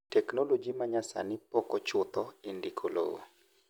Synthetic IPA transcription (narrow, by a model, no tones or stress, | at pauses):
tɛknolod͡ʒimaɲasa̰nɪpɔkɔt͡ʃʊt̪ɔendikʰolo̰o̰